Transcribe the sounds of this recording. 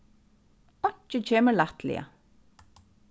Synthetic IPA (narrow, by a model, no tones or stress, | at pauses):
ɔt͡ʃət͡ɕʰeːməlat̪lɪ̰a̰